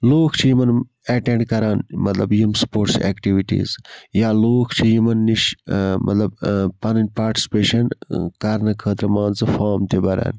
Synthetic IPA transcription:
loːkʰt͡ʃʰijimɐn | eʈẽɳɖkɐɾaːnmɐt̪lɐbjimspoːɾʈsḛːkʈiʋiʈḭːzjaːloːkʰt͡ʃʰijimɐnːiʃmʔɐ̰t̪lɐbpɐnɐnpaːɾʈi̥si̥peːʃɐnkɐɾnɨkʰəːt̪ɾɐmãːnzɨfaːmt̪ibɐɾa̰ːn

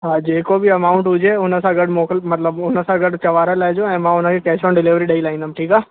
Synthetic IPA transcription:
ɦaːd͡ʒeːkobʱiɐmaːʊ̃ɳʈɦʊd͡ʒeʊnəsãɡəɖmoːkəlmɐt̪ləbʊnəsãɡəɖt͡ʃɐʋaːɾalaːd͡ʒõɛ̃ːmãːʊnãkikɛːt͡ʃoːnɖɪlɪːʋɾiɖailaːĩnd̪aːmʈʰiːkaː

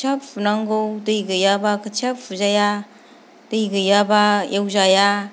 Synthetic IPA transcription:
t͡ʃapunaŋɡowdɯjɡɯjabakʰɯt͡ʃʰapʰuzaja | d̥ɯjɡɯjabajewzaja

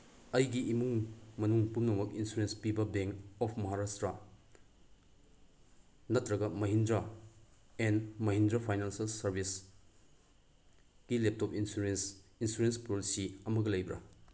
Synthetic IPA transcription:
ɐjɡiimuŋmɐnuŋpumnɐmɐk̚insuɾenspibɐbeŋkɔpʰmɐɦaɾastɾɐ | nɐtɾɐɡɐmɐɦindɾɐ | enmɐɦindɾɐpʰajnansɐlsɐɾbʱis | ɡ̥ilep̚topinsuesinsuɾenspɾolisiɐmɐɡɐlɐjbɾɐ̰

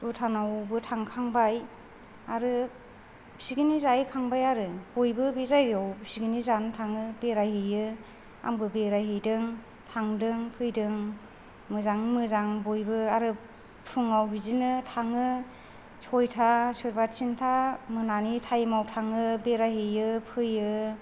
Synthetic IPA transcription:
utʰanawbɯtʰaŋkʰaŋbaj | aɾɯ | siɡɯnizajkʰaŋbajaɾɯb̥ojbɯbezajawsiɡɯnizanɯtʰaŋɯbeɾajɦejɯ | a̰ŋbɯbeɾajɦɯjdɯŋ | tʰaŋdɯŋpʰɯjdɯŋ | mɯzaŋmɯzaŋbojbɯaɾɯ | pʰuŋawbizinɯtʰaŋɯ | sʰɔjtʰasɯɾbat̚sintʰamɯnanitʰajmawtʰaŋɯbeɾajɦɯjɯpʰɯjɯ

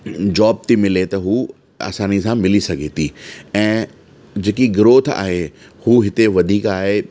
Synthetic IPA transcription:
d͡ʑɔːb̚t̪imɪlet̪ɐɦuː | a̰ːsaːnisãmɪlisɐɡʱet̪ʰiɛ̃ː | d͡ʑeːkiɡɪɾoːt̪ʰa̰ːɦe | huɦɪt̪eʋɐd̪ʱiːkaːɦe

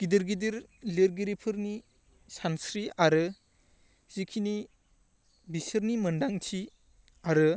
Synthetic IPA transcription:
ɡ̥idiɾɡidiɾleɾɡiɾipʰɯɾni | sansɾiaɾɯ | z̥ikʰini | bisɯɾnimɯndaŋtʰi | aɾɯ

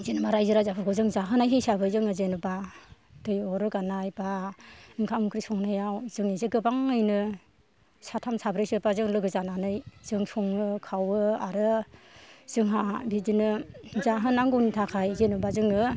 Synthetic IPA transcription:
zenɯmaɾajzɯɾajzapʰɯɾkʰɔzɯŋzaɦɯnajɦejsabɯjzɯŋɯzenɯba | d̥ɯjɔɾɯɡanajbaiŋkʰamkʰɾisɔŋnajawzɯŋizeɡɯbaŋɯjnɯ | satʰamsabɾɯjsɯbazɯŋlɯɡɯzananɯjz̥ɯŋsɔŋɯkʰawɯaɾɯ | z̥ɯŋɦadidinɯzaɦɯnaŋɡɔwnitʰakʰajzenɯbazɯŋɯ

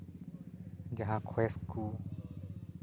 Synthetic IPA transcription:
d͡ʒəɦãːkʰweːskuː

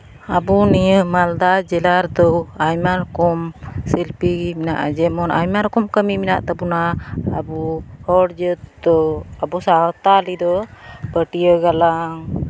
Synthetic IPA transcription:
abunijəmald̪ad͡ʒɛlaɾd̪ɔajmaɾkɔmsilpiminaʔad͡ʒɛmɔnʔa̰jmaɾkɔmkəmimina̰ʔt̪abunaːbuhɔɽd͡ʒət̪̚d̪ɔabusaɦɔt̪alid̪ɔbəʈijəɡalaŋ

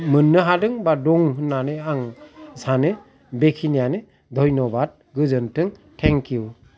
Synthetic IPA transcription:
mɯnːɯɦadɯŋbaduŋɦɯnːanɯaŋsanɯ | bekʰinijane | dʱɔjnɔbat̚ɡɯzɯntɯŋtʰeŋkju

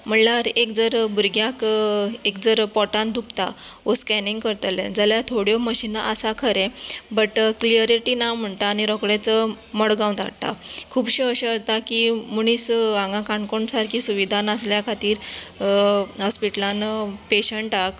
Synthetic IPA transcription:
m̤əɳlaɾekd͡zəɾbuɾɡjakekd͡zəɾpɔʈãnd̪ukt̪a̰ʋoskɛniŋɡkəɾt̪əlḛ̃d͡zaljat̪ʰoɽjɔməɕinaʔəsakʰəɾɛ̃bəʈkliəɾiʈiːnawm̤əɳt̪aːñiɾɔkɽɛt͡sə | məɽɡãw̪t̪a̰kt̪a̰kʰuːbɕeəɕəəɾt̪akimuɽ̃iːsãŋɡãkaɳkoɳsaɾkisuʋid̪ʱanəsljakʰat̪iːɾ | ɦɔspiʈlanpeɕəɳʈak

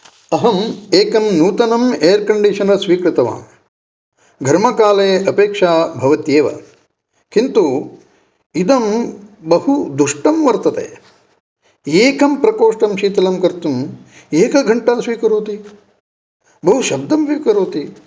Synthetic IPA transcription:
ɐɦɐmeːkɐmnuːt̪ɐnɐmeːɐɾkɐɳɖiʃɐnɐsʋiːkɾɪt̪ɐʋa̰ːm | ɡʱɐɾmɐkaːleːʔɐpeːkʂaːbʱɐʋɐt̪jeːʋɐ̰ | kint̪u | id̪ɐmbɐhud̪uʂʈɐmʋɐɾt̪ɐt̪ḛː | eːkɐmpɾɐkoːʂʈɐmʃiːt̪ɐlɐmkɐɾt̪um | eːkɐɡʱɐɳʈaːsʋiːkɐɾoːt̪i | bɐɦuʃɐb̚d̪ʱɐmʋiːkɐɾoːt̪i

